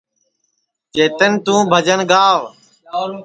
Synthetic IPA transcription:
t͡ʃeːt̪ənt̪ũːbʱəd͡ʒənɡaːʋ

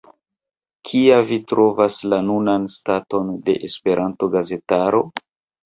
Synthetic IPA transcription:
kʰiavitɾo̞vaslanunanstato̞nde̞̰ʔespe̞ɾʔanto̞ɡaze̞taɾo̞

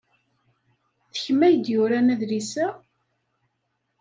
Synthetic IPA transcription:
θəçmæjəd̪jʊɾænæðlisæ

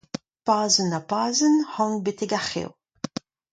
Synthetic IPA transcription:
paːzənapaːzənhɑ̃ŋbeteɡaχḛw

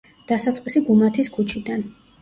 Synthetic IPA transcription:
d̪̥asat̪sʼqʼisiɡumat̪ʰiskʰut͡ʃʰid̪an

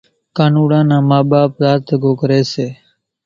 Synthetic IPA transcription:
kaːnuːɽãːnãːmaːɓaːpzaːt̪əɡoːkəɾeːseː

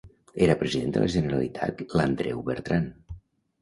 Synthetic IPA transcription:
eɾəpɾəziðend̪ə̰lə̰ʒənəɾalit̪ʰa̰t̪lənd̪ɾɛwβəɾt̪ɾan

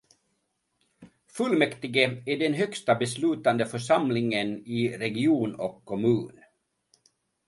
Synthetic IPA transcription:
fɵlmɛkt̪ɪɡəæɖɛnɦœkst̪abɛslʉ̟ːt̪and̪əfœʂamlɪŋənɪɾɛɡɪuːnɔ̰kʰːɔmʉ̟ːn

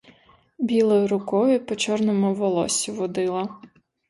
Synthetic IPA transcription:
bʲilˠɔjʊɾʊkɔʋʲipɔt͡ʃɔrnɔmʊʋɔlˠɔ̰sʲiʋɔd̪ɪlˠɐ

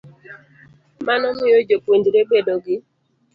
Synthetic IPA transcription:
manɔmɪjod͡ʒokwendiɾebedoɡɪ

